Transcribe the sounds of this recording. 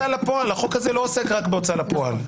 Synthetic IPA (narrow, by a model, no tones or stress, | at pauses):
alapo̞alhaχo̞khazelo̞osekʁakbeot͡salapo̞a̰l